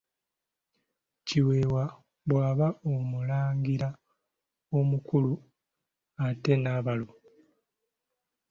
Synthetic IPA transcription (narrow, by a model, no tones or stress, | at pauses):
ciwe̞ːwa | βwaːβaomulaːŋɡiɾa | o̞mukulu | ate̞naːβalo̞